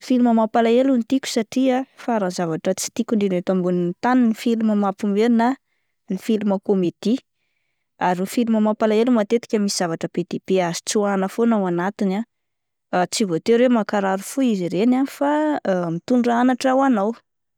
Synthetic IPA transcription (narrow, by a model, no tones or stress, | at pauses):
filuməmapalaelunt̪ikʲu̥saʈ͡ʂiafaɾazavaʈ͡ʂət͡si̥t̪ikʲuɳɖ͡ʐinet̪ambunint̪aninifiluməmapumeɾina | nifiluməkomet̪i | aɾufiluməmapalaelumat̪et̪i̥kʲəmisiz̥avaʈ͡ʂəped̪̥epeazi̥t͡suanəfonawanat̪ina | t͡sivot̪eɾemakaɾaɾufuiziɾenanifamit̪uɳɖ͡ʐanaʈ͡ʂawanaw